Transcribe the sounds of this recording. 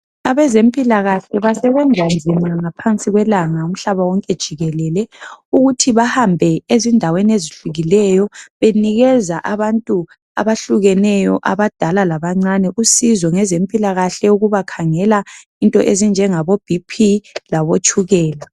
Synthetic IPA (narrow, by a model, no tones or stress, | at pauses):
aβɛzempʼilaɣaɬɛβasɛβɛnd͡zʱand͡zʱimaŋapʰant͡sʼiɣwɛlaŋaum̩ɬaβawɔŋkʼɛd̥ʒ̥ʱiɣɛlɛlɛuɣutʰiβahambʱɛezindʱaweneziɬuɣilɛjɔβeniɣɛzaʔaβantʼu | a̰βaɬuɣɛnɛjɔʔa̰βad̥ʱalalaβaŋ͡ǀanɛʔusizɔŋɛzem̩pʼilaɣaɬɛuɣuβakʰaŋɛla | intʼɔʔezind͡ʒʱɛŋaβob̥ʱipʰilaβot͡ʃʼuɣɛːla